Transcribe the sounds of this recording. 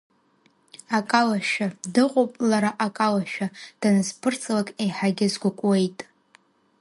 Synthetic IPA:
akʼalaʃᶣadɨqʷʼopʼlaɾaʔakʼalaʃᶣad̥anɨzpʰɨrt͡sʼlakʼejħaɡʲɪzɡʷʊkʷʼwejtʼ

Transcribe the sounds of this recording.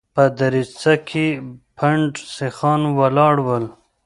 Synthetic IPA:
pəd̪aɾit͡sakʰepʰaɳɖsexɑnwalɑɽwəl

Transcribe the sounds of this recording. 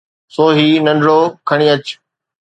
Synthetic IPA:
soːɦiːnə̃nɖɽoːkʰəɽ̃ĩːət͡ɕ

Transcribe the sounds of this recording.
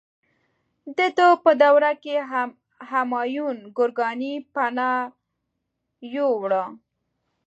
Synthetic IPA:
d̪ət̪opəd̪awɾakeɦ | hamɑjunɡʊɾɡɑnipanɑ | jowɽa

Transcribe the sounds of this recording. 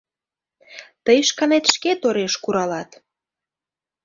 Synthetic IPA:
t̪əjʃkɑnet̪ʃket̪oɾeʃkuɾɑlɑt̪

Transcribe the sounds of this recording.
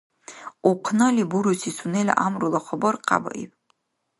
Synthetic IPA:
uqʰnalibuɾusisunɛla̰ʔamɾulˠaχɔbɔɾqʰʼa̰bɔ̰ʔḭp

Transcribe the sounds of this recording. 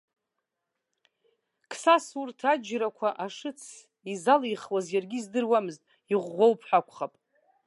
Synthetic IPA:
kʰsasurtʰad͡ʒɾakʷʰaʔaʂɨt͡sʰ | izalijχlazjarɡʲiːzdɨrwamɨztʼ | iʁʷːo̞wpʰħakʷʰχapʼ

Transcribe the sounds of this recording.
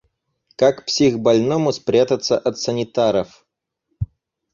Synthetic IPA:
kakpsʲiɣbɐlʲnomuspɾʲat̪ɐt̪sːɐʔɐt̪sɐnʲit̪aɾɐf

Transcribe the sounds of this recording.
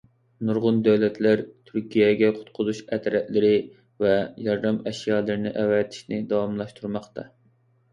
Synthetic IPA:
nuɾʁʊnd̪æwlɛt̪ʰlæɾt̪ʰyɾkʲijɛɡʲɛqʰʊ̥t̪̚qʰʊzuʃɛt̪ɾɛt̪lɪɾɪ | vɛjɑɾd̪ɛmɛʃjɑːlˠɨɾɪnɪʔɛvɛt̪ʰɪ̥ʃnɪd̪ɑwɑmlˠɑʃt̪ʰuɾmɑqt̪ʰɑ

